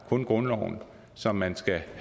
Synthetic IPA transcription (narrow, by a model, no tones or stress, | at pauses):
kʰɔ̽nɡ̥ʁɔ̽nlɒʊn | sɒ̽mːænsɡ̥æh